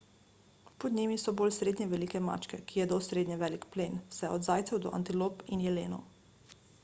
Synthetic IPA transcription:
pɔd̪nʲimisɔboːlsɾeːd̪ɲɛʋɛliːkɛma̰t͡ʃkɛkijɛd̪osɾeːd̪ɲɛʋɛːlikpleːnwsɛɔd̪zaːjt̪sɛwd̪ɔ̰ʔa̰nt̪ilopinjɛleːnɔ̰

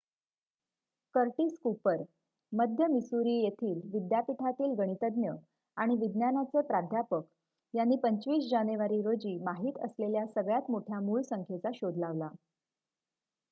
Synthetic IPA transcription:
kəɾʈiːskupəɾ | məd̪ʱjəmisuɾiːjet̪ʰiːlʋid̪japiʈʰat̪iːlɡəɽ̃it̪əd̪njə | aɽ̃iʋid̪njanat͡sepɾad̪ʱjapək | janːiːpəɲt͡ɕʋiːsd͡ʑaneʋaɾiːɾod͡ʑiːmaɦiːt̪ə̰sleljasəɡɭjat̪moʈʰjamuːɭsəŋkʰet͡saɕod̪ʱlaʋla

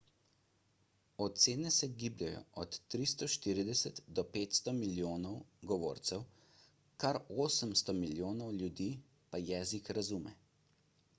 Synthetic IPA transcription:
ɔt̪t̪seːnɛsɛɡiːblʲjajɔ̰ʔɔt̪ːɾist̪ɔʃt̪iːɾid̪ɛsət̪d̪ɔpeːt̪st̪ɔmiljoːnɔwɡɔʋo̰ːɾt̪sɛw | kaɾoːsəmst̪ɔmiljoːnɔwljud̪iː | pajɛːzikɾazuːmɛ̰

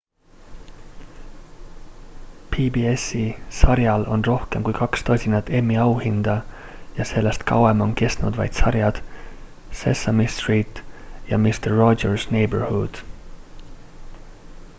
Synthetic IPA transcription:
pʰibiesisɑɾjɑlʔo̞nro̞hke̞mkujkɑkst̪ɑsʲinɑt̪ːe̞mːiɑwhind̪̥ɑ | jɑse̞lːest̪kɑwemo̞nke̞st̪nud̪̥vɑ̰jd̪̥sɑɾjɑd̪̥ | sḛsɑmist̪riːt̪ˑjɑ̰mist̪erːo̞ersnejberhud̪̥

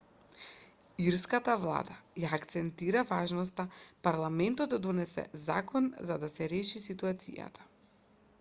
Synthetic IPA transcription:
iɾskat̪avlˠa̰d̪ajaːkt̪sɛnt̪iɾavaʒnɔst̪apaɾlˠamɛnt̪ɔtd̪ad̪ɔnɛsɛ̰za̰kɔnzad̪asɛɾɛʃisit̪uat̪sḭja̰t̪ʰḁ

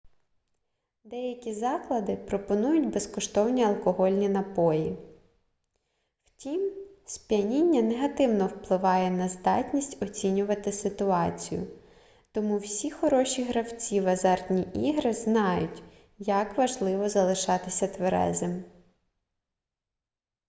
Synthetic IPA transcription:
d̪ɛjɐkʲizɑklˠɐd̪ɪpɾɔpɔnujʊtʲbeskɔʃt̪ɔwnʲiɐlˠkɔɦɔlʲnʲinɐpɔji | w̥tʲimsʲpʲjɐnʲinʲːɐneɦɐt̪ɪwnɔwplˠɪʋɑjɛnɐzd̪ɑtʲnʲisʲtʲɔt͡sʲinʲʊʋɐt̪ɪsɪt̪ʊɑt͡sʲḭjʊ̰ | t̪ɔmuwsʲixɔɾɔʃʲiɦɾɐwt͡sʲiʋɐzɑrtʲnʲiʔiɦɾɪznɑjʊ̰tʲ | jɐkʋɐʒlˠɪʋɔzɐlˠɪʃɑt̪ɪsʲɐt̪ʋeɾɛ̰zem

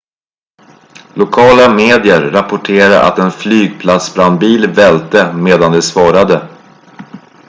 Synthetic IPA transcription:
lʊkʰɑːlameːd̪ɪəɾːapʊʈʰeːɾaʔa̰t̪ɛnflyːɡ̚pʰlat̪sbɾand̪̚biːlvɛlt̪əmeːd̪and̪ɛsvɑːɾad̪ə

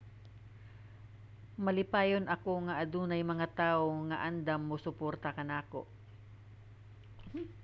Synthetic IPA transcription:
mɐlɪpaːjonɐko̞ŋɐʔɐd̪uːnɐjmɐŋat̪aːʔoŋɐʔand̪amːosʊpoɾt̪ɐkɐnaːko̰ʔ

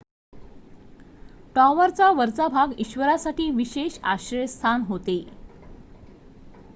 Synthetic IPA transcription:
ʈɔʋəɾt͡saʋəɾt͡sabʱaɡiɕʋəɾasaʈiːʋiɕeɕa̰ɕɾəjst̪ʰanɦot̪e

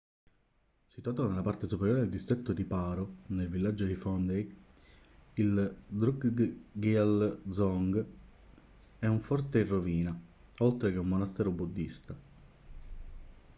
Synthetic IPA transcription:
sit̪uaːt̪onelːapart̪esupeɾjoːɾed̪eld̪ist̪ɾet̪ːod̪ipaːɾonelvilːad͡ʒːod̪ifɔnd̪ej | ild̪ɾuɡɡiald̪zɔŋɡ | ɛuɱfɔrt̪eirːoviːna | olt̪ɾek̟eumːonast̪ɛːɾobud̪ːist̪a

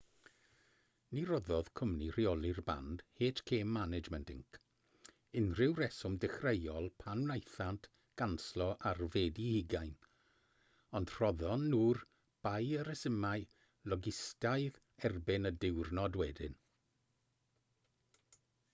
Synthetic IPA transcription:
nirɔðɔð̥kʰʊmnir̥iɔlˠɪrba̰nd̥heːtʰkʰeːmːanɪd͡ʒmɛntɪ̰ŋkʰ | ɪnrɪwɾɛsɔmdɪχrejɔlˠpʰanwnajθantʰ | ɡ̥anslˠɔʔarveːdihɪɡajn | ɔnd̥r̥ɔðɔnːuːr | b̥ajəɾəsəmaj | lˠɔɡɪstajð | ɛrbɪnədɪwrnɔdwɛdɪ̰n

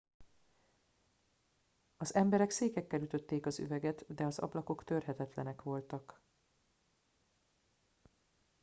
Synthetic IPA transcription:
ɒzɛmbɛɾɛkseːkɛkːɛlyt̪ø̞t̪ːeːkɒzy̰vɛɡɛt̪d̪ɛɒzɒ̰blɒko̞kt̪ørɦɛt̪ɛt̪lɛnɛkʋo̞lt̪ɒk

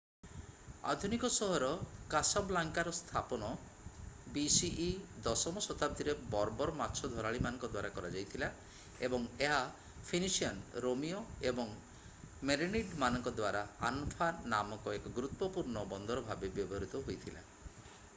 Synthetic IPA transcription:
a̰d̪ʱunikɔsɔɦɔɾɔkasɔblaŋkaɾɔst̪ʰapɔnɔ | bisiʔːd̪ɔsɔmɔsɔt̪ʰab̚d̪iɾebɔɾɔbɔɾɔmatːt͡ʃʰɔd̪ʱɔɾaɭimanɔŋkɔd̪waɾakɔɾad͡ʒajt̪ʰila | ebɔŋeɦa | pʰinisiɔnɾomijɔebɔŋ | meɾiniɖmanɔŋkɔd̪waɾaanpʰanamɔkɔekɔɡɾut̪ːɔpuɾnɔbɔnd̪ɔɾɔbʱabebjɔbʱɔɾut̪ɔɦojt̪ʰila̰

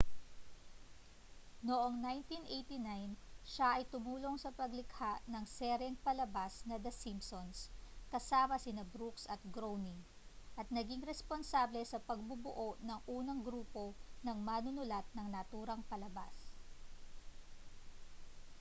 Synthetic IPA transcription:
noʔo̞ŋnajnt̪inʔejt̪inajnʃaʔɐjt̪ʊmuːlo̞ŋsɐpɐɡlɪkhaʔnɐŋsɛɾɛŋpɐlɐbasnɐd̪ɐsimpsonskɐsaːmɐsɪnɐbɾuksɐt̪̚ɡɾowniŋ | ʔɐt̪̚nɐɡiŋɾɛsponsaːblɛsɐpɐɡ̚bʊbʊʔo̞ʔnɐŋʔuːnɐŋɡɾuːpo̞nɐŋmanʊnʊlat̪̚nɐŋnɐt̪uːɾɐŋpɐlɐba̰s

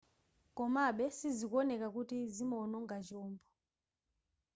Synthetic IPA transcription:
kɔmaɓɛsizikɔnɛkak̬utizimɔnɔŋɡad͡ʒɔːmbɔ

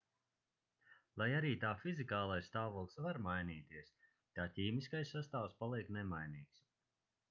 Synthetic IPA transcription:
lˠajaɾiːt̪aːfizikaːlˠajst̪aːvɔlˠsvaɾmajniːt̪iɛəs | t̪aːcʲiːmiskajsːast̪aːwspalˠiɛknɛmajniːks

